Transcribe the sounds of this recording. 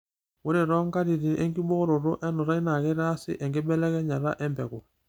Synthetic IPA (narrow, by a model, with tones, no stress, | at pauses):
wo˦ɾe˨ɾɔ˦ŋka˦ɾi˨ɾi˨nʔɛ˦ŋɡi˦bo˦ɾo˨ɾo˦ʔɛ˦nu˨ɾa˦i˦na˨kɛ˦ɾa˦sɪ̰˦ʔɛ˨ŋɡe˦bɛ˦lɛ˦kɛ˦ɲa˨ɾa̰˦ʔɛ˦mbɛ̰˨kɔ˨